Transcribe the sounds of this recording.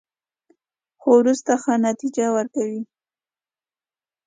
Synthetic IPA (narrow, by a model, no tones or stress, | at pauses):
xowɾust̪axanat̪id͡ʒawəɾkawi